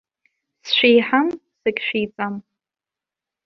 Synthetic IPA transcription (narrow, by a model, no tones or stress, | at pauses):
sʃʷᶣijħamsɨkʲʼʃʷᶣijt͡sʼam